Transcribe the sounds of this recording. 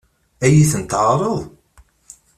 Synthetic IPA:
æjiθənt̪ɾˤəðˤ

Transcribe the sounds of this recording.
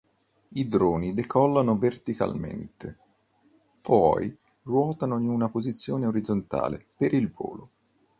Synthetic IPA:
id̪ɾoːnid̪ekʰɔlːanovert̪ika̰lmḛnt̪e | pɔj | rwɔːt̪anoiunapozit̪sːjoːneoɾid̪zont̪a̰ːlepeɾilvo̰ːlo

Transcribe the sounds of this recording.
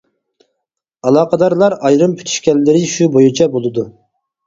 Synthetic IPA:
ɑlˠɑːqəd̪ɑɾlˠɑɾɑjɾɨmpʰy̥t̪ʰy̥ʃkʲɛlːɪɾɪʃubojut͡ʃʰɛbolˠɨd̪u

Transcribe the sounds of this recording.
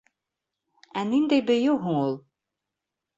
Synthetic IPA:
ænind̪æjbɘ̆jɘwɦuɴulˠ

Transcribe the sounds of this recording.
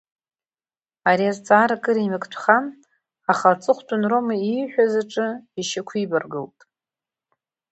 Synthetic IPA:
aɾiazt͡sʼaːɾakʼɨɾimɨkʼtʷʰχan | aχalt͡sʼɨχʷtʷʼʊnromaiħʷᶣazaʈ͡ʂʼɨiʃakʷʰibarɡɨltʼ

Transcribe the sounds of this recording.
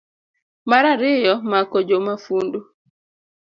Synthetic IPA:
maɾaɾɪjɔmakɔd͡ʒomafundu

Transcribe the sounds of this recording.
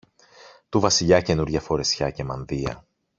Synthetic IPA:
t̪uvɐsiʎɐce̞nuɾʝɐfo̞ɾe̞sçɐce̞mɐnðiɐ̰

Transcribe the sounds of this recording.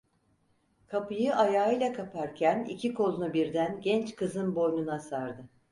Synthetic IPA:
kʰapɯjɯʔajaːɯjlʲˠakʰapʰaɾcʰænḭcʰikʰo̞lˠunubiɾd̪ænɟʲɛnt͡ʃkʰɯzɯnbo̞jnunasaɾd̪ɯ

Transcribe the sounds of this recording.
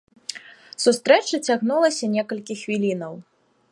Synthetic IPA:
sust̪ɾɛt͡ʂɐt͡sʲaɣnulˠɐsʲɐnʲɛkɐlʲkʲixvʲilʲinɐw

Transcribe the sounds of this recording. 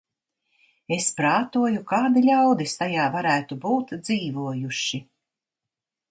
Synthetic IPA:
espɾaːt̪uɔjukaːd̪ilʲawd̪ist̪ajaːvaɾæːt̪ubuːt̪d̪ziːvuɔjuʃi

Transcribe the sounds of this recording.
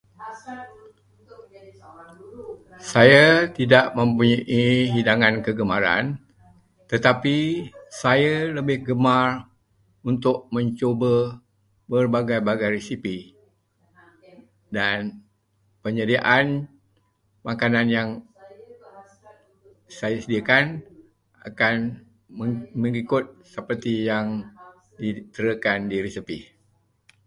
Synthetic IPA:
sajat̪idaʔmə̃mpuɲaʔiɦidaŋankəɡəmaɾa̰n | t̪ət̪apisajaləbɪhɡəmar | unt̪ʊʔ̚mə̃ɲt͡ʃobə | bərbaɡajbaɡajresipi | dan | pəɲədiaʔan | makananjaŋ | sajəsədiakan | a̰kan | məŋikʊt̪̚səpərt̪ijaŋ | dit̪əɾəkandiɾesipi

